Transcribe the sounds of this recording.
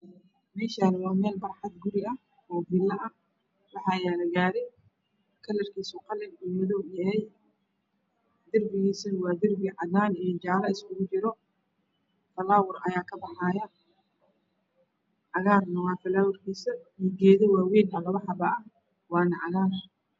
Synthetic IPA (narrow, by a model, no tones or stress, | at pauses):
mɛːʃaːnwɑːmɛːlbɐrħɑd̪ɡʊɾɪɐh | ɔːbiːlːɐʔɐ | wɑħɑːjaːlɐɡaːɾɛj | kʰɐlɐrkʰiːsuqɐlɐɾuːmɐðɔːɡjɐɦɛj | d̪ɐrbɪɣiːsɐnwɑːd̪ɪrbɪʕɑðaːnɛd͡ʒaːɾɐɪskʰʊɣʊt͡ʃɪɾɔ | fɐlaːwʊrɐjaːkʰɐbɑħaːjɐ | ʕɐɣaːrnɐwɑːfɐlaːwʊrkʰiːsɐmiɡɛːðɔwɑːwɛːnɐlɐβɐħɑbɐʔɐ | wɑːnɐʕɑɣaːn